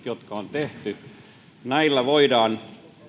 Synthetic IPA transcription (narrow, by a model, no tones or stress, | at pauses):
jot̪kɑont̪eht̪y | næilːæʋoidɑːn